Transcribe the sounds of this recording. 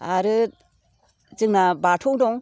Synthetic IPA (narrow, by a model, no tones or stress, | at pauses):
aɾɯ | zɯŋnabatʰɔwdɔŋ